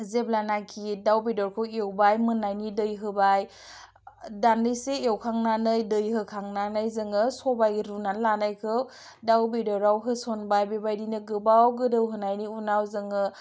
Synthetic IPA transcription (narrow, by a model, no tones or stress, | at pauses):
zeblanakʰidawbedɔɾkʰɯwewbajmɯnajnidɯjɦɯbaj | dandɯjseewkʰaŋnanɯjdɯjɦɯkʰaŋnanɯjzɯŋɯsɔbajɾunanlanajkʰɯw | dawbedɔɾawɦɯsɔnbajbebajdinɯɡɯbawɡɯdɯwɦɯnajniunawzɯŋɯ